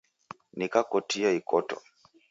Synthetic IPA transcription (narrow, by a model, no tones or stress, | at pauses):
nikakɔtiaikɔtɔ̰